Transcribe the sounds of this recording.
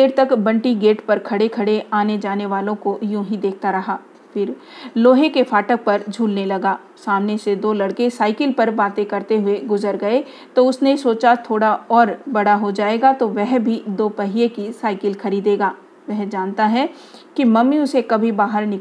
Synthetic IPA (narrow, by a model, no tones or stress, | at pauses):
d̪eːɾt̪ɐkbɐ̃ɳʈiɡeːʈpɐɾkʰɐɽekʰɐɽeaːned͡ʒaːneʋaːlõkojũːɦid̪eːk̚ʰt̪aɾɐɦaː | fʰɪɾ | loːɦekefʰaːʈək̚pɐɾd͡ʒʱuːlnelɐɡaː | saːmnesed̪oːlɐɽkesaːɪkəlpɐɾbaːt̪ẽkɐɾt̪eɦʊeɡʊzəɾɡɐe | t̪oʊsnesoːt͡ʃat̪ʰoːɽaɔːɾbɐɽaɦod͡ʒaːeːɡat̪oʋɛɦbʱid̪oːpɐɦiekisaːɪkəlkʰɐɾiːd̪eːɡaː | ʋɛɦd͡ʒaːnt̪aɦɛ | kimɐmːiʊsekɐbʱibaːɦəɾnɪ